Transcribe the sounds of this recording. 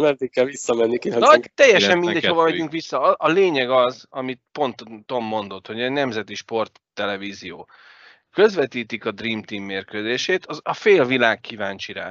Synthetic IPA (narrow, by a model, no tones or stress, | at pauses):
mɛrd̪ikkːɛlʋisːɒmɛnːikiɒnɒt̪ɛjːɛʃɛmind̪ɛcho̞vɒvɛɟyŋkʋisːɒʔɒleːɲɛɡɒzɒmit̪̚po̞nt̪ːo̞mːo̞n̪d̪o̞t̪ho̞ɟɛnɛmzɛt̪iʃpo̞rt̪ːɛlɛviːzijoː | kø̞zvɛt̪iːt̪ikɒd̪riːmt̪iːmːeːrkøzeːʃeːt̪ɒɒfeːlvilaːkːivaːɲt͡ʃiɾa̰ː